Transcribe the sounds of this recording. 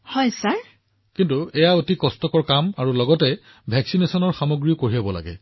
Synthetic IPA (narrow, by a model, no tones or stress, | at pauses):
hɔjsaɹ | kintuɛjaotikɔstɔkɔɹkamaɹulɔɡɔtɛ | bʱɛksinesɔnɔɹxamoɡɹijɔkoɹijabɔla̰ɡɛ̰